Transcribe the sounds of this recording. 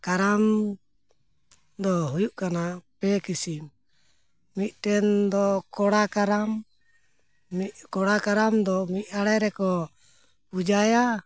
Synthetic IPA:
kaɾam | d̪ɔɦujuʔkanapɛkisimː | it̪̚ˀʈɛnd̪ɔkɔɽakaɾam | ikɔɽakaɾamd̪ɔmic̪̚ˀaɽɛɾɛkɔ | pud͡ʒaja

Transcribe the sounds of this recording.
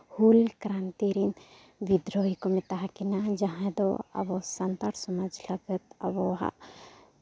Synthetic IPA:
hulkɾant̪iɾin | bid̪ɾoɦikomɛt̪aɦakinad͡ʒaɦãd̪ɔ̰ɐ̰bɔsɐnt̪aɾsɔməd͡ʒləɡət̪ɐ̰bɔɦa̰

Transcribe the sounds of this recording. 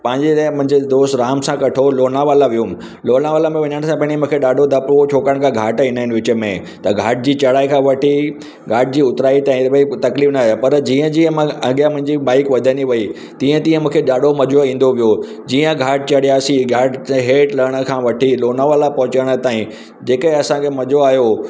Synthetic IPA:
pɐ̃ɦɪ̃ɲd͡ʑet̪ːmʊ̃ɦɪ̃ɲd͡ʑed̪oːst̪ɾaːmsãkɐʈʰoloːnaʋaːlaʋijʊm | loːnaʋaːlamẽʋɐɲəɽ̃sãpɐ̃ɦɪ̃imũːkʰeɗaːɖʱod̪ʱɐpʋot͡ɕʰoːkəɽ̃kʰãɡʱaːʈĩnaːɪnʋɪt͡ɕə̆mẽ | t̪ɐɡʱaːʈ̚d͡ʑiːt͡ɕɐɽaːikʰãʋɐʈʰi | ɡʱaːʈ̚d͡ʑiːʊt̪ɾaːit̪aːĩbaɪt̪ɐkliːfnajapɐɾd͡ʑiːə̃d͡ʑiːə̃mãɐɠjamʊ̃ɦɪ̃ɲd͡ʑiɓaːɪkʋɐd̪ʱəniʋɐi | t̪ĩːə̃t̪ĩːə̃mũːkʰeɗaːɖʱomɐd͡ʑoĩːn̆d̪oʋijo | d͡ʑiːə̃ɡʱaːʈ̚t͡ɕɐɽijaːsiɡʱaːʈɦeːʈlɐɽ̃ə̆kʰãʋɐʈʰiloːnaʋaːlapɐɦʊt͡ɕaɽ̃ət̪aːĩ | d͡ʑeːkəɦẽɐsãkʰemɐd͡ʑoaːɦjo

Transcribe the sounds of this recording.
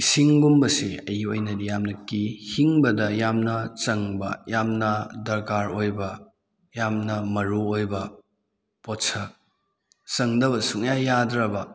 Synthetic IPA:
isiŋɡumbɐsiɐjojnɐdijamnɐkihiŋbɐdɐjamnɐt͡ʃɐŋbɐ̰jamnɐdɐɾkaɾojbɐ | jamnɐmɐɾuojbɐ | potsɐ | sɐŋdɐbɐsuŋjajadɾɐbɐ

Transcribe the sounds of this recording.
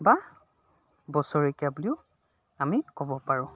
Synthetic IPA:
ba | bɔsɔɹikabuliʊ | amikɔbɔpaɹʊ̃

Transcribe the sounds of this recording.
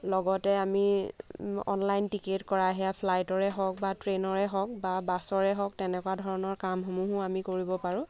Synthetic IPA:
lɔɡɔtɛami | ɔ̰nlajntiketkɔɹaɦɛjapʰlajtɔɹɛɦɔk̚batɹenɔɹɛɦɔk̚babasɔɹɛɦɔk̚tɛnɛkɔwadʱɔɹɔnɔɹkamxomuɦʊamikoɹibɔpaɹʊ̃

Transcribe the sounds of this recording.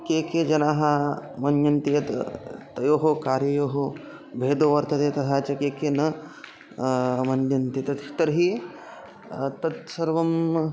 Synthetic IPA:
keːkeːd͡ʒɐnaːɦɐmɐnjɐnt̪ijɐt̪t̪ɐjoːɦokaːɾjɐjoːɦo | bʱeːd̪oːʋɐɾt̪ɐt̪eːt̪ɐt̪ʰaːt͡ʃɐkeːkenɐ | mɐnjɐnt̪it̪ɐt̪it̪ɐɾɦi | t̪ɐt̪sɐɾʋɐm

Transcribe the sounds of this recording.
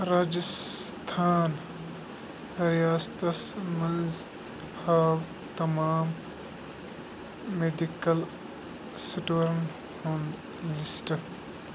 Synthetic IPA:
ɾaːd͡ʒɐst̪ʰaːn | ɾijaːst̪ɐsmɐnz | haːw | t̪ɐmaːm | eɖikɐl | suʈoːɾɐn | hõnd̪ | lisʈɐk

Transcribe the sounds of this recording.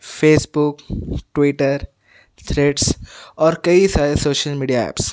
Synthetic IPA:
feːsbʊkʈʋiːʈəɾ | t̪ʰɾeːʈsɔːɾkɐisaːɾesoːʃəlmiːɖijaɛ̰ːps

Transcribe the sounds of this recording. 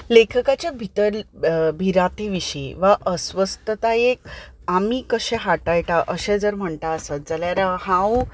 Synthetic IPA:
lekʰəkat͡ɕjabʱit̪əɾbʱiɾat̪iʋiɕiʋaʔəsʋəst̪ət̪aek̚ | amikəɕɛ̃ɦaʈajʈ̪aʔəɕɛ̃d͡zəɾm̤əɳt̪aəsad͡zəljaɾahãw

